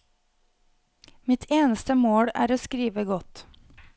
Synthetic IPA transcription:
mɪt̪ʰeːnəst̪əmoːɽæ̰ːɾoːskɾiːʋəɡɔt̪

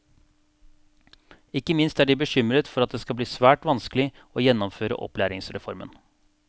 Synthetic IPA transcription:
ɪkːəmɪnst̪æɖɪbəʃʏmɾət̪fɔɾɑt̪̚d̪eːskɑbliːsʋæːʈʋɑnskəlɪ | oːjɛnːɔmføːɾə̰ʔɔ̰plæːɾɪŋsɾɛfɔɾmə̰n

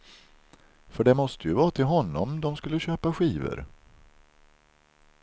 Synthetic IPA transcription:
fœɖɛmɔst̪ʰəjɵvɑːt̪ʰɪlɦɔnːɔmd̪ɔmskɵlːəɕøːpaɧiːvə̰ɾ

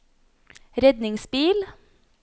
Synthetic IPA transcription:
ɾɛd̪nɪŋsbiːl

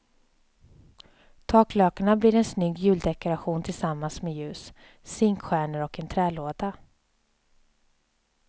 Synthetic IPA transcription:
t̪ʰɑːkløːkaɳabliːɾɛnsnʏɡːjʉ̟ːld̪ɛkʊɾaɧuːnt̪ʰɪlsamːansmɛjʉ̟ːsː | ɪŋkɧæːɳəɾɔkɛnt̪ʰɾɛːloːd̪a

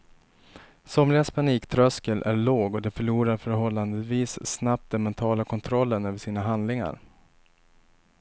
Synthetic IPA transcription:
sɔmlɪɡaspʰaniːkt̪ʰɾœskəlʔæɭoːɡɔd̪ɛfœɭuːɾaɾfœɾɦɔlːand̪əviːsːnap̚t̪̚d̪ɛnmɛnt̪ʰɑːlakʰɔnt̪ʰɾɔlːənøːvəʂiːnaɦand̪lɪŋa̰ɾ

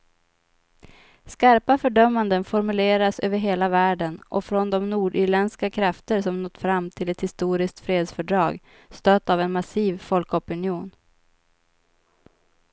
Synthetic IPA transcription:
skaɾpafœɖœmːand̪ənfɔɾmɵleːɾasø̰ːvəɾɦeːlavæːɖənʔɔfɾɔnd̪ɔmnuːɖiːɭɛnskakʰɾaft̪əɾʂɔmnɔt̪ːfɾamːt̪ʰɪlɛt̪hɪst̪uːɾɪsk̚t̪fɾeːd̪sfœɖɾɑːɡ | st̪øːt̪ːavɛnmasiːvfɔlkɔpɵnɪuːn

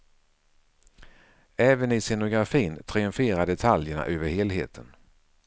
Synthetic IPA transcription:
ɛːvənɪsɛnʊɡɾafiːnt̪ʰɾɪɵɱfeːɾad̪ɛt̪ʰaljəɳa̰ʔøːvəɾheːlɦḛːt̪ʰən

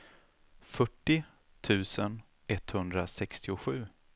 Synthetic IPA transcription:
fœʈːɪ | t̪ʰʉ̟ːsən | ɛt̪ːhɵnd̪ɾasɛkst̪ɪʊɧʉ̟ː

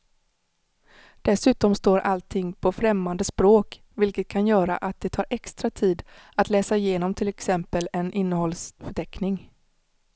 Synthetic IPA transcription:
d̪̥ɛsʉ̟ːt̪ɔmst̪oːɾʔalt̪ʰɪŋːpʰɔfɾɛmːand̪əspɾoːk | vɪlkət̪̚kʰanjœːɾa̰ʔat̪̚d̪ɛt̪ʰɑːɾʔɛkst̪ɾat̪ʰiːd̪ | at̪lɛːsaɪjeːnɔmt̪ʰɪlɛksɛmpəlɛnʔɪnːəɦɔlsfœʈʰɛknɪŋ

